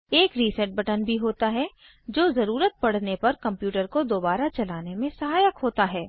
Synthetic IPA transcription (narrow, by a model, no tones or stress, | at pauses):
eːkɾisɛʈ̚bɐʈənbʱiɦoːt̪aɦɛ | d͡ʒoːzɐɾuːɾət̪̚pɐɽ̤nepɐɾkɐ̃mpjuːʈəɾkod̪oːbaːɾat͡ʃɐlaːnemẽsɐɦaːjəkɦoːt̪aɦɛː